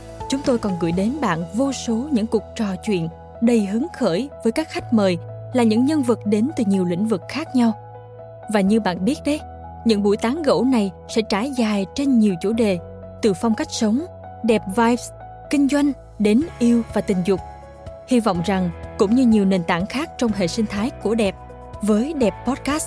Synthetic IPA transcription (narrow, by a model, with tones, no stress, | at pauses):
t͡ɕʊ˨˦ŋ͡mt̪o˧jkɔ˨˩nɣɨ̰˧˩jɗe˨˦nɓa̰ː˧˨nvo˧so˨˦ɲɨ̰˧˥ŋku˨˩k̚t͡ɕɔ˨˩t͡ɕwḭ˧˨ən | ɗə˨˩jɦɨ˨˦əŋxəː˧˩jvəː˨˦jkaː˦˥k̚xa˦˥jk̟̚məː˨˩jlaː˨˩ɲɨ̰˧˥ŋɲə˧nvɨ˨˩k̚ɗe˨˦nt̪ɨ˨˩ɲi˨˩əwlḭ˧˥ŋ̟vɨ˨˩k̚xaː˦˥k̚ɲa˧w | vaː˨˩ɲɨ˧ɓa̰ː˧˨nɓi˦˥ət̚ɗə˧j | ɲɨ̰˧˥ŋɓṵ˧˩jt̪aː˨˦ŋɣo̰˧˥na˨˩j | sɛ̰˧˥t͡ɕaː˧˩jzaː˨˩jt͡ɕe˧nɲi˨˩əwt͡ɕu˧˩ɗe˨˩ | t̪ɨ˨˩fɔ˧wŋ͡mka˦˥jk̟̚sə˨˦wŋ͡m | ɗɛ˨˩p̚vaː˧jvs | kï˧ŋ̟zwa˧jŋ̟ | ɗe˨˦nʔi˧əwvaː˨˩t̪ï˨˩ŋ̟zʊ˨˩k͡p̚ | hi˧vɔ̰˧˨wŋ͡mza˨˩ŋkʊ̰˧˥ŋ͡mɲɨ˧ɲi˨˩əwne˨˩nt̪aː˧˩ŋxaː˦˥k̚t͡ɕɔ˧wŋ͡mɦḛ˧˨sï˧ŋ̟t̪ʰaː˨˦jku˧˩əɗɛ˨˩p̚ | vəː˨˦jɗɛ˨˩p̚ːɔ˦˥t̚kaː˦˥s